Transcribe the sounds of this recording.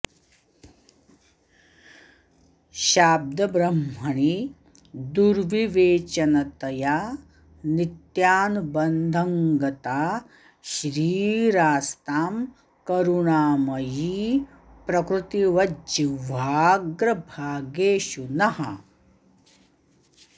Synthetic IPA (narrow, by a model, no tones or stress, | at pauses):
ʃaːb̚d̪ʱɐbɾɐmɦɐɳi | d̪uɾʋiʋeːt͡ʃɐnɐt̪ɐja | nit̪jaːnbɐnd̪ʱɐŋɡɐt̪aː | ʃɾiːɾaːst̪aːm | kɐɾuɳaːmɐji | pɾɐkɾut̪iʋɐd͡ʒiʋaːɡɾɐbʱaːɡeːʃunɐɦɐ̰